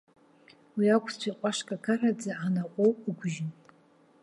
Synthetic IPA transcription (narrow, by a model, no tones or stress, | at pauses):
wiakʷʰt͡ɕʷʰaqʷʼaʂkʼakʰarad͡zaanaqʷʼowiɡʷʒɪn